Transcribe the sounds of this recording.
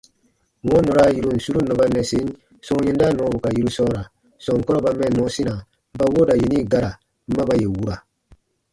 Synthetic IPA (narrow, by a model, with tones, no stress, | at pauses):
ɔ̃˦nɔ˨ɾa˦ji˦ɾo˨n̩˨su˦ɾu˦nɔ˨ba˦nɛ˨sẽ˦n˦ | sɔ̃˦ɲẽ˦n˦da˦nɔ̃˨˦bu˨ka˨ji˦ɾu˦sɔ˦ɔ˦ɾa˨ | sɔ̃˨ŋ˨kɔ˦ɾɔ˦ba˦mɛ̃˦˨nɔ̃˨˦si˦nã˨ | m˦ba˦wo˦da˨je˨ni˦˨ɡa˦ɾa˨ | m̩˦ba˦ba˦˨je˨wu˦ɾa˨